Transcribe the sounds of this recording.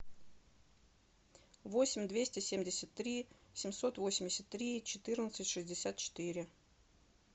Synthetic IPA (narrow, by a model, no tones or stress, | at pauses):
vo̞sʲɪmʲd̪vʲesʲtʲɪsʲemʲdʲɪsʲət̪ːɾʲisʲɪmʲso̞t̪vo̞sʲɪmʲdʲɪsʲət̪ːɾʲit͡ɕɪt̪ɨrnət̪sɨtʲʂɨzʲdʲɪsʲat̪̚t͡ɕɪ̥t̪ɨɾʲɪ